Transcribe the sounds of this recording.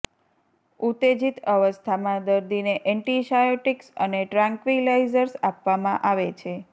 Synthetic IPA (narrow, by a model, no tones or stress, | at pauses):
ut̪ed͡ʒit̪əʋəst̪ʰamãd̪əɾd̪ʱineʔɛɳʈiʃajoʈiksə̰neʈɾãŋkʋilaizəɾsapʋamãʔaʋet͡ʃʰe